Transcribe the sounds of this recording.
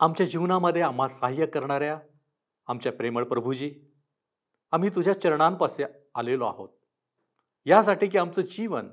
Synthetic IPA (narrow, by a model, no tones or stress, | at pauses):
amt͡ɕjad͡ʑiʋnaməd̪ʱːjeam̤asaɦjəkəɾɳaɾja | amt͡ɕjapɾeməɭpɾəbʱud͡ʑiː | am̤iːt̪ud͡ʑʱjat͡ɕəɾɳampase | alelɔa̰ɦo̰t̪̚ | jas̬aʈiːk̬iːamt͡səːd͡ʑiʋən